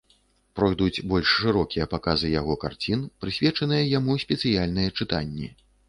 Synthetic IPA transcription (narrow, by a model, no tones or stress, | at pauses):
pɾɔjd̪ut͡sʲbɔlʲʂːɨɾɔkʲijɐpakazɨjaɣɔkart͡sʲinpɾɨsʲvʲɛt͡ʂɐnɨjɐjamusʲpʲɛt̪sɨjalʲnɨjɐt͡ʂɨt̪anʲːḭ